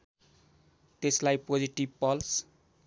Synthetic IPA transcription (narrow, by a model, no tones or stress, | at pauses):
t̪eslajpod͡ziʈibpʌls